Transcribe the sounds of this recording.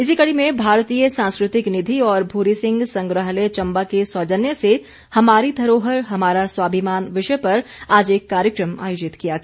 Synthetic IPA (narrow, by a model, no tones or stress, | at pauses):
ɪsikɐɽimẽbʱaːɾt̪iːjəsãːnskɾɪt̪ɪknɪd̪ʱiɔːɾbʱuːɾisɪ̃ŋɡsɐ̃ŋɡɾəɦlet͡ʃɐ̃mbakeswɐd͡ʒənjəse | hɐmaːɾid̪ʱɐɾoːɦəɾɦɐmaːɾaswaːbʱɪmaːnʋɪʃpɐɾaːd͡ʒeːkːaːɾjəkɾəma̰ːjoːd͡ʒɪt̪kijaɡɛ